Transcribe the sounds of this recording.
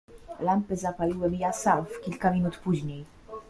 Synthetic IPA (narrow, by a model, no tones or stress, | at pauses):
lampɘzapalʲiwɘmʲijasamfkʲilkamʲinut̪puʑɲej